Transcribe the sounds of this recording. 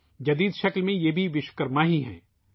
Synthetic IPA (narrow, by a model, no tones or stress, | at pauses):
d͡ʒɐd̪iːd̪ʃɐklmẽjebʱiʋɪʃkəɾmaːɦiɦɛ̰̃ː